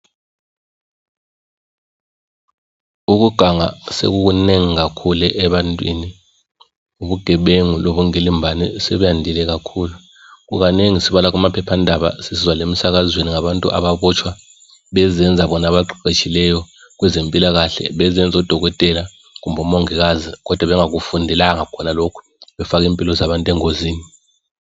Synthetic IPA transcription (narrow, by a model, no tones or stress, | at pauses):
uk̬uɡ̥ʱaŋa̰sḛɣ̬uk̬uneŋiɣakʰulɛʔɛβantʼwḭni | uβuɡ̥ʱɛɓeŋuloβuŋelimbʱanɛsɛβujandʱilɛɣakʰuːlu | ɣuɣaneŋisiβalak̬umapʰɛpʰandʱaβa̰sisizwalem̩sak̬azweniŋaβantʼṵʔa̰βaɓɔt͡ʃʰwa | ɓɛzɛnd͡zʱaɓɔnaɓaǃiǃet͡ʃʰilɛjɔ | k̬wɛzempʼilaɣaɬɛ̰ɓɛzɛnd͡zʱɔd̥ʱɔɣɔtʼɛla | k̬umbʱɔmoŋiɣ̬azik̬ɔd̥ʱwaβɛŋak̬ufundʱɛlaŋakʰɔnalokʰu̥ | ɓɛfak̬impʼilɔzaβantʼɛŋoziːni